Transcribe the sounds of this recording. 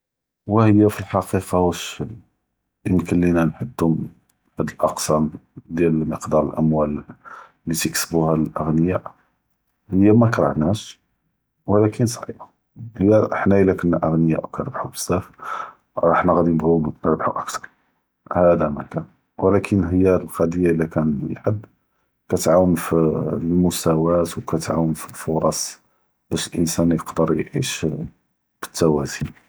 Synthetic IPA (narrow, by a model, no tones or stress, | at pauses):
wəhəjːæfilħɑqiqɑwəʃəl | əmkəlːinænħəd̪ːʊm | bæd̪əlʔɑqsæmd̪jæləməqd̪ɑɾˤəlʔə̰mwælː | it̪iksbuhællʔəɣnəjaʔ | həjːæmækɾˤɑ̰ʕnæʃ | wəlækʰənsˤʕḭbɑ | həjːæəħnæʔəlækənːæʔəɣnəja̰ʔwkænəɾbħubə̥sːæf | ɾˤɑħnæɣæd̪inəbɣunnəɾbħuʔəkt̪ɑɾˤ | hæd̪æmæ̰kæn | wəlækʰənəhəjːælqɑd̪əjːaʔəlːækænħəd̪ | kæt̪ʕawənfilmʊsæwæt̪wkæt̪ʕa̰wənfilfʊɾˤɑsˤ | b̥æʃəlʔənsænjəqd̪əɾˤjʕḭʃ | b̥ə̥t̪ːæwæzi